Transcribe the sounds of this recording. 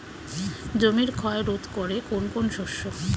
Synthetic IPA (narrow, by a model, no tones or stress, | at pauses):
d͡ʑomiɾkʰɔeɾod̪ʱkoɾekonkonʃoʃːo